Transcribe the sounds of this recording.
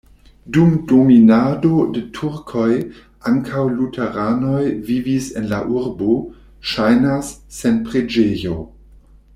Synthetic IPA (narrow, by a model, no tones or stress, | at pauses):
dumdominadodetʰuɾkʰo̞j | aŋkʰawlutʰeɾano̞jvivise̞nlaʔuɾbo | ʃajnasːenpʁed͡ʒejo̞